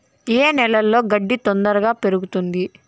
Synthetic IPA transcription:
eːnɛlɐlːo̞ːɡɐɖːit̪ond̪ɐɾɐɡaːpe̞ɾuɡut̪und̪i

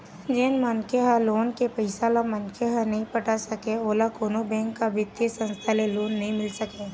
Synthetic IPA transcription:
d͡ʒeːnmənkeɦaloːnkepəɪsalamɐnkʰeɦanɐɦĩpɐʈasɐkeoːlakoːnobɛ̃ːŋkːabʱɪt̪esə̃nst̪ʰaleloːnːɐɦĩmɪlsɐkeː

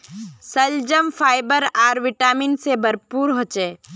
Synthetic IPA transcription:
səld͡ʒəmfʰaːɪbəɾaːɾʋɪʈaːminsebɐɾpuːɾɦoːt͡ʃeː

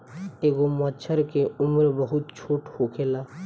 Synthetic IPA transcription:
eːɡomət͡ʃʰəɾkeʊmɾbəɦʊt̪̚t͡ʃʰoːʈhoːkʰeːla

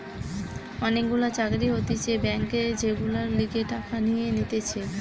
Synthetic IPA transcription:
ɔnek̚ɡulat͡ɕaɡɾiɦot̪it͡ɕebɛŋked͡ʑeɡulaɾliɡeʈakanijenit̪et͡ɕʰe

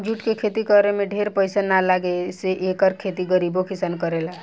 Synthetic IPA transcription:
d͡ʒuʈkekʰet̪ikəɾemeɖʱeɾpəjsanalaɡeseʔekəɾkʰet̪iɡəɾibokisankəɾela

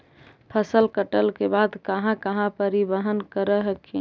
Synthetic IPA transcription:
pʰəsəlkəʈəlkebad̪kəɦãkəɦãpəɾibəɦənkəɾəɦəke

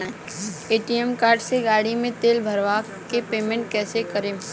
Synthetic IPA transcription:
eːʈiɛmkaːɾɖseɡaːɽimẽt̪eːlbʱɐɾʋa | kepeːmẽɳʈ̚kɛːsekəɾẽː

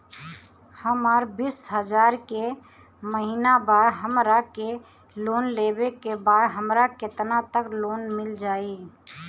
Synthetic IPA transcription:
həmaːɾbisɦəd͡ʒaːɾke | məɦinabaɾɦəmɾake | loːnlebekebaːd̪ɦəmɾaket̪nat̪əkloːnmɪld͡ʒaːi

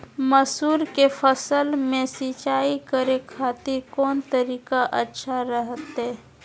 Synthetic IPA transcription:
məsuːɾkefʰəsəlmẽsit͡ʃaːikəɾekʰaːt̪ɪɾkɔːnt̪əɾiːkaʔətːʃʰaɾəɦət̪ɦɛː

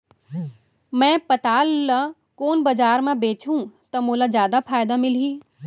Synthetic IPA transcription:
mɛ̃ːpɐt̪aːlːɐ | koːnbɐd͡ʒaːɾmãbeːt͡ʃũt̪ɐmolazjaːd̪afʰaːjd̪amɪliː

